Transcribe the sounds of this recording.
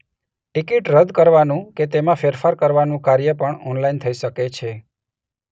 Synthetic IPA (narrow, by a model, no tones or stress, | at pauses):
ʈikiʈɾəd̪ʱkəɾʋanũket̪emãfeɾfaɾkəɾʋanũkaɾjəpəɳɔnlaint̪ʰəiʃəket͡ʃʰe